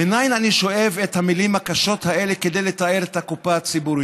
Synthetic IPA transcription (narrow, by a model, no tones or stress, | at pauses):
enajnaniʃo̞ʔevethamilimhakaʃo̞thaʔe̞lekede̞jle̞tae̞ʁet̪hakupaat͡sibuʁi